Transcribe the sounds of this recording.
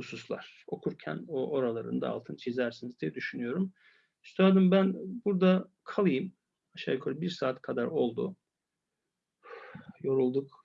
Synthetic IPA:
hususlˠa̰ɾ̥o̞kʰuɾcʰæ̰noʔo̞ɾalˠaɾɯ̰nd̪a̰ːlˠt̪ʰɯnt͡ʃʰizæɾsinizd̪ijɛd̪yʃynyjo̞ɾum | st̪ʰad̪ɯmbænbuɾd̪a | kʰalˠɯjɯm | aʃa̰jkʰoɾbiɾsaːt̪kʰad̪aɾo̞lˠd̪u | jo̞ɾulˠd̪uk

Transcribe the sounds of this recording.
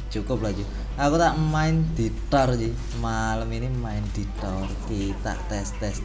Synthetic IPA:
t͡ʃukʊp̚lad͡ʒu | akut̪aʔmaɪnd̪̥i̤t̪ɔrd͡ʒi | maləminimaɪnd̪̥it̪ɔrkit̪a̰ʔt̪ɛst̪ɛs

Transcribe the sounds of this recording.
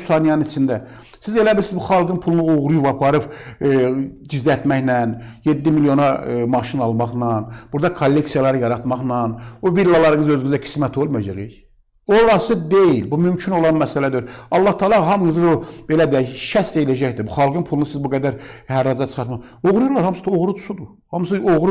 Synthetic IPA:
sɑnijɑnɯnit͡ʃʰind̪æ | size̞læbiɾsizbuχɑlˠɡɯnpʰulˠunuoʁɾujuvɑpʰɑɾɯp | d͡ʒizd̪iæt̪mæçnænjed̪ːimiljo̞nɑmɑʃinɑlˠmɑχnɑnbuɾd̪ɑkʰolːe̞ksijɑlˠɑɾɯjɑɾɑt̪mɑχnɑnovilːɑlˠɑɾɯŋɯzø̞zɡyzækʰi̥smæt̪ʰo̞lˠmujɑd͡ʒɑʁij | olˠɑsɯd̪ejilbumymcʰino̞lˠɑnmæsælæd̪oɾɑlˠːɑht̪ʰɑːlˠɑɦɑmɡɯzɯob̥e̞læd̪ijæʃæse̞jilæd͡ʒæçd̪ibuχɑlˠɡɯnpʰulˠunusizbuɡæd̪æɾhæɾːɑd͡ʒ̪ɑt͡ʃʰχɑɾt̪mɑχ | oʁɾujuɾlˠɑɾhɑmsɯ̥d̪o̞ʁɾut̪ʰu̥sud̪u | hɑms̬ɯoʁɾu

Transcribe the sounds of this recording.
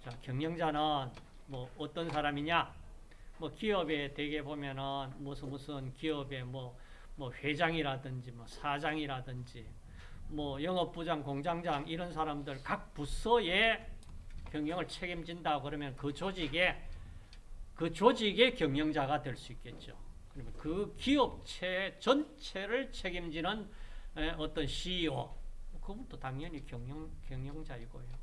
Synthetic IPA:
t͡ɕakjʌŋɲʌŋd͡ʑanɯn | mʌʌt͈ʌnsʰaɾamiɲa | mwʌkiʌbe̞twe̞ɡe̞bomjʌnɯnmusʰɯmusʰɯnkiʌbe̞mwʌ | mwʌɸe̞d͡ʑaŋiɾadɯnd͡ʑimwʌsʰad͡ʑaŋiɾadɯnd͡ʑi | mwʌjʌŋʌp͈̚ud͡ʑaŋkoŋd͡ʑaŋd͡ʑaŋiɾʌnsʰaɾamdɯɭkak̚pus͈ʰʌje̞ | kjʌŋjʌŋɯɭt͡ɕʰe̞ɡimd͡ʑindakɯɾʌmjʌnkɯt͡ɕod͡ʑiɡe̞ | kɯt͡ɕod͡ʑiɡe̞kjʌŋjʌŋd͡ʑaɡadwe̞ɭs͈uik͈e̞t̚t͡ɕ͈o̰kɯɾʌmjʌnkɯkiʌp̚t͡ɕʰe̞t͡ɕʌnt͡ɕʰe̞ɾɯɭt͡ɕʰeɡimd͡ʑinɯneʌt͈ʌnɕiʌmʌkɯbundotaŋɲʌɲikjʌŋʌŋkjʌŋjʌŋd͡ʑaiɡo̰jo

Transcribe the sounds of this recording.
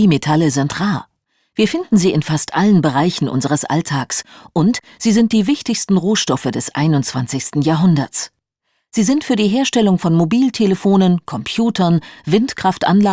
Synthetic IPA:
imetʰaləzɪntʁaː | v̥iːɐfɪndn̩ziːɪnfastʔalənbəʁaɪçn̩ʔʊ̰nzəʁ̞əsʔa̰ltʰaːksʔʊnt | z̥iːzɪnt̚d̥iːvɪçtɪçstn̩ʁoːʃtɔfədɛsʔa̰ɪnʊnt͡sv̥ant͡sɪçstn̩jaːɐɦʊndɐ̰t͡s | z̥iːzɪntfyːɐdiːɦeːɐʃtɛlʊŋfɔnmobiːltʰeləfoːnənkʰɔmpʰjuːtʰɐnvɪntkʁ̥aftʔa̰nlaː

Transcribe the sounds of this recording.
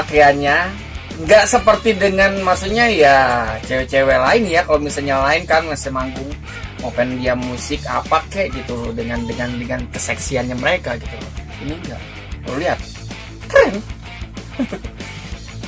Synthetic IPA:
ak̪ɾiaɲa | ŋɡaʔsəpərt̪idəŋanmasuɲajat͡ʃewet͡ʃewelaɪnjakalomisalɲalaɪnkanmasɛmaŋɡʊŋ | opɛndiamusɪkapakɛʔɡit̪udəŋandəŋandəŋankəsɛksianɲaməɾekaɡit̪uk | iniŋɡa̰ʔ | pluliɦat̪̚ | t̪ɾɛn

